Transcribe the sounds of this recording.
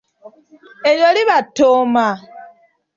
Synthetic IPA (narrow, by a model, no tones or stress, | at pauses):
eljoliβatːoːma